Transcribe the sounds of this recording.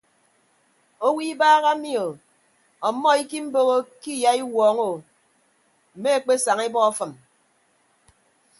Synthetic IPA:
o˦wi˦baː˦ɣa˦mi˦o˨ | ɔ˨˦mːɔ˦i˦ki˦m̩˦bo˦ɣo˦ki˦ja˦i˦wɔː˨˦ŋo˨ | m̩˨me˦e˦k͡pe˦sa˨ŋi˦bɔ˦ɔ˦fɨ˨m

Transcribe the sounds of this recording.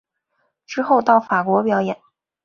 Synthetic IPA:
ʈ͡ʂɻ̩˥xo˥˧ʊt̪ɑ˥˩ʊfa˨˩kwɔ˧˥pjɑ˨˧˩ʊjɛ˨˩˦n

